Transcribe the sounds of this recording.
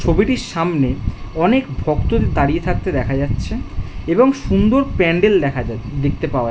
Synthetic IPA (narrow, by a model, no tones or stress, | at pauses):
t͡ɕʰobiʈiɾʃamneɔnekbʱɔkt̪ot̪it̪aɽijet̪ʰak̚t̪ed̪ɛkʰad͡ʑatːɕʰeeboŋʃund̪oɾpɛɳɖelkʰad̪ek̚t̪epaoa